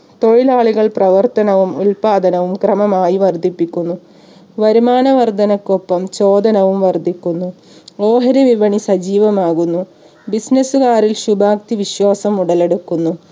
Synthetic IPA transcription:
t̪o̞ɻilaːɭuɣɐɭprɐʋɐrt̪ɐnɐʋumulpaːd̪ɐnɐʋumkrɐmɐmaːjiʋɐrd̪ʱipːikʲːunːu | ʋɐɾumaːnɐʋɐrd̪ɐnɐkːopːɐmt͡ɕo̞ːd̪ɐnɐʋumʋɐrd̪ʱikʲːunːu | o̞ːɦɐɾɐʋiʋɐɳisɐd͡ʑiːʋɐmaːɣunːu | bisnɐsuɣaːɾilɕubʱaːk̚t̪iʋiɕwaːsɐmuɽɐle̞ɽukːunːu

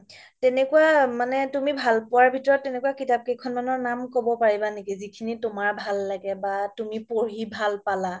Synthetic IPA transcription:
tɛnɛkuwamanɛtumibʱalpʊaɹbʱitɔɹɔtːɛnɛkuakitap̚kejkʰɔnmanɔɹnamkobɔpaɹibanekizikʰinitʊmaɹbʱalːaɡɛbatumipoɦibʱalpala

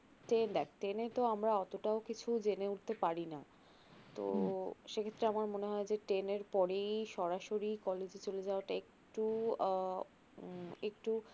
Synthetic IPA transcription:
ʈend̪ɛk̚ʈenet̪oamɾaɔt̪oʈaokit͡ɕʰud͡ʑeneuʈ̚t̪epaɾina | t̪o̰ʃekʰet̪ːɾeamaɾmoneɦɔed͡ʑeʈeneɾpɔɾejʃɔɾaʃoɾikɔled͡ʑit͡ɕoled͡ʑaoaʈaek | ʈu | ek̚ʈu

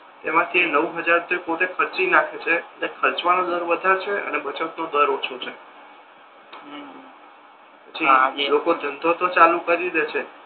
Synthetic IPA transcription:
t̪emãt̪ʰienəʋɦəd͡ʒaɾt̪ipoʈekʰəɾt͡ʃinakʰet͡ʃʰeətekʰəɾt͡ʃʋanod̪əɾʋəd̪ʱaɾt͡ʃʰeʔə̰nebət͡ʃət̪nod̪əɾot͡ʃʰot͡ʃʰe | pət͡ʃʰilokod̪ʱənd̪ʱot̪ot͡ʃalukəɾid̪et͡ʃʰe

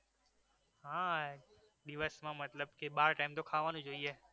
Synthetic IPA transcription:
ɦãː | ɗɪʋəsmãːmət̪ləbkeɓaːɾʈaːɪmt̪okʰaːʋaːnũd͡ʒoieː

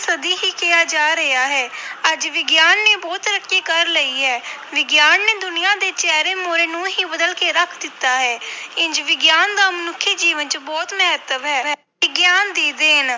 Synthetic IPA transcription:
səd̪iːɦiːkɪjaːd͡ʒaːɾəjaːɦɛːəd͡ʒʋɪɡjaːnːeːbɔːt̪ɾəkːiːkəɾləiːɦɛːʋɪɡjaːnːeːd̪ʊnijãːd̪eːt͡ʃɛːɾeːmoːɾeːnũːɦiːbəd̪əlkeːɾəkʰd̪ɪt̪ːaːɦɛːɪɲd͡ʒʋɪɡjaːnd̪aːmənʊkʰːiːd͡ʒiːʋənt͡ʃəbɔːt̪mɛɦət̪əʋɦɛːɛː | ɪɡjaːnd̪iːd̪eːɦən

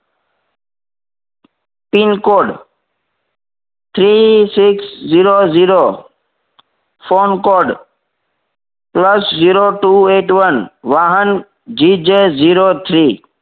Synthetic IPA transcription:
pinkoːɖ | t̪ʰɾisɪksziːɾoːziːɾoː | foːnkoːɖ | pləsziːɾoːʈuːeːʈʋənʋaːɦən | d͡ʒid͡ʒziːɾoːt̪ʰɾiː

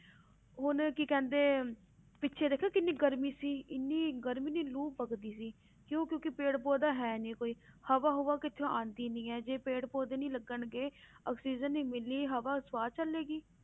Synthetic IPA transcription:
ɦʊnkikɛ̃ːnd̪eː | pɪtːʃʰeːd̪eːkʰaːkɪnːiːɡəɾmiːsiːɪnːiːɡəɾmiːniːluːppəɡd̪iːsiː | kjõːkjõːkɪpeːɽpoːd̪aːɦɛːnĩːkoːiːhəʋaːɦʊʋaːkɪt̪ʰːjõːʔãːnd̪iːnĩːɛːd͡ʒeːpeːɽpoːd̪eːnĩːləɡəɳɡeːəːksiːd͡ʒənːĩːmɪlːiːɦəʋaːsʋaːt͡ʃəlːeːɡiː

